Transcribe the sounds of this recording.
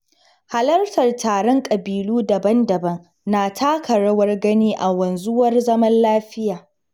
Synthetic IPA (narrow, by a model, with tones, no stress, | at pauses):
ha˨lɐ˦rtɐ˨rtaː˨ɽɔ˦ŋkʼɐ˨biː˨luː˦dɐ˨bɐ˦ndɐ˨bɐ˦ŋ | naː˨tʰaː˦kʰɐ˨ɽɐ˦wɐ˦rɡɐ˦niː˦ʔa˨wɐ˨nzʊ˦wɐ˦rzɐ˦mɐ˦nlaː˦ɸɪ˦jaː˨